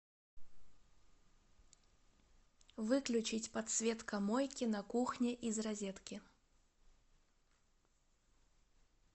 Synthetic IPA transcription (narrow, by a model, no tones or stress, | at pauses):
vɨklʲʊt͡ɕɪt͡sʲpɐt̪svʲet̪kɐmɔjkʲinɐkuxnʲiʔizrɐzʲɛt̪kʲi